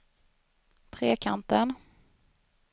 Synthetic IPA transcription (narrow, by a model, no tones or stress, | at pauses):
t̪ʰɾeːkʰant̪ən